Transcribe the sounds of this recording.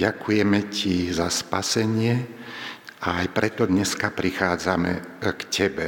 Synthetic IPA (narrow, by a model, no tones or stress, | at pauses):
akʰujɛmɛcizaspasɛɲɪɛ | aajpɾɛt̪ɔd̪ɲɛskapɾixaːd͡zamɛ̰kcʰɛbɛ